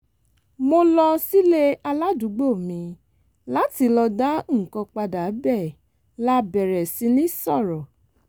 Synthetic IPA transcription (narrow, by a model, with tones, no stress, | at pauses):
mo˧lɔ˧si˦le˦a˧la˦du˨˦ɡ͡bo˦˨mĩ˧ | la˦ti˧lɔ˧da˦˨kɔ̃˧k͡pa˧da˨˦bɛ˦˨ | la˦bɛ˨ɾɛ˨si˧˦nĩ˦sɔ˦˨ɾɔ˨